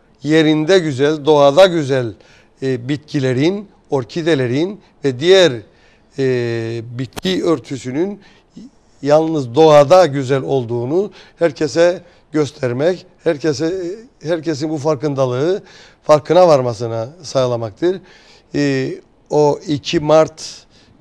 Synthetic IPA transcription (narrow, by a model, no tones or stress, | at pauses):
je̞ɾind̪ɛɟyzælʲd̪o̞ad̪aɟyzælʲ | bit̪cʰilʲe̞ɾin | o̞ɾcʰid̪e̞lʲe̞ɾin | vɛd̪ijæɾ | bit̪̚cʰiøɾt̪ʰysynyn | jalˠnɯzd̪o̞ad̪aɟyzælʲo̞lˠd̪uːnuhæɾcʰesɛ | ɟøst̪ʰɛɾmɛchæɾsɛ | hæɾces̬inbufaɾkɯnd̪alˠɯɯ | faɾkʰɯnavaɾmas̬ɯnasajlˠamak̚t̪ʰɯɾ | oicʰimaɾt̪